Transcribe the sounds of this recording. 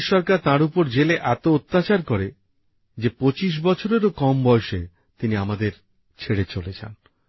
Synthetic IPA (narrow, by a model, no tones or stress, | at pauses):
ʃɔɾkaɾt̪ãɾupoɾd͡ʑeleʔɛt̪oot̪ːat͡ɕaɾkɔɾe | d͡ʑepot͡ɕiʃ̬bɔt͡ɕʰoɾeɾokɔmbɔeʃe | t̪iniamad̪eɾ | t͡ɕʰeɽet͡ɕolet͡ɕʰa̰n